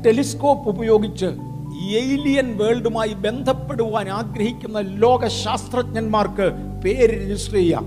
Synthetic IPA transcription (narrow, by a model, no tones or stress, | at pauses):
ʈe̞lisko̞ːpːubɐjo̞ːɡit͡ɕːɨ | ejlijɐnʋe̞ːɭɖumaːjibe̞nd̪ʱɐpːe̞ɽuʋaːnaːɡɾɐɦikʲːunːɐlo̞ːɡɐɕaːst̪rɐt̚ɲɐnmaːrkɨ | peːɾɾed͡ʑisʈrejɐ̰ː